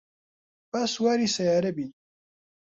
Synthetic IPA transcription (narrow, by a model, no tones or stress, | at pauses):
bɐswaːɾisɐjaːɾɐbi